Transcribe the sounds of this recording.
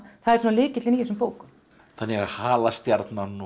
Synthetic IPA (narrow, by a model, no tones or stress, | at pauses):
θaðɛɾ̥sɛnalɪːcɪt̪lɪnihɛs̬ʏmpoːwkʏm | θanːɛɣahaːlast̪jaɾt̪nanːu